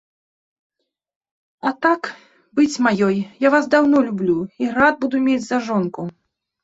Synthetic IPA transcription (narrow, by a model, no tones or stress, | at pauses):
ɐt̪ak | bɨt͡sʲmajɔjjavasd̪awnɔlʲublʲuiɾad̪̚bud̪umʲed͡zʲzaʐɔnku